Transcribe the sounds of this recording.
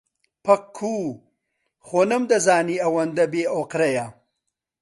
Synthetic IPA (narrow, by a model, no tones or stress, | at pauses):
pɐqʰːuː | χonɐmd̪ɐzaːniɐwɐnd̪ɐbeːoqɾɐja